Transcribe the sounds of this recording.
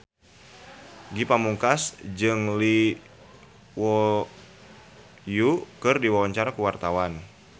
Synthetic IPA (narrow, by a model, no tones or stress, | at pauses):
ɡipamuŋkasd͡ʒɨŋli | wɔ | jukɨrdiwawaɲt͡ʃaɾakuwart̪awan